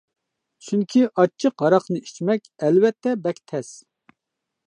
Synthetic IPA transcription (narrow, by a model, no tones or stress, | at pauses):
t͡ʃʰyŋkʲʰiʔɑt͡ʃʰːɨqɑɾɑqnɨi̥t͡ʃmɛkʲɛlwɛt̪ʰːɛbɛkʲt̪ʰɛs